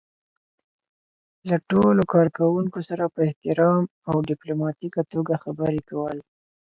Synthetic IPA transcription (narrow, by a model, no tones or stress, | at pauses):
laʈolokɑɾkawuŋkosaɾapəɪht̪ɪɾɑm | awɖɪplomɑt̪ikat̪oɡaxabəɾekawəl